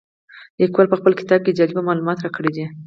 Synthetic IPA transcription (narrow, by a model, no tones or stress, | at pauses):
d̪əkwɑlpəxpəlkɪ̥t̪ɑb̚ked͡ʒalibamɑlumɑt̪ɾɑkəɽed̪i